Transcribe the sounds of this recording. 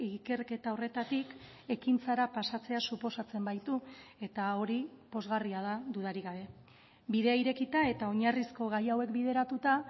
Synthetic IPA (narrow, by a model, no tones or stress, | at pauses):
ike̞rke̞t̪ao̞re̞t̪at̪ik | e̞kint͡saɾapasat͡se̞asupo̞sat͡se̞mbajt̪ue̞t̪ao̞ɾipo̞zɣariað̞aðuð̞aɾiɣaβe̞ | biðe̞aiɾe̞kit̪ae̞t̪ao̞ɲarisko̞ɣajawe̞kbið̞e̞ɾat̪ut̪a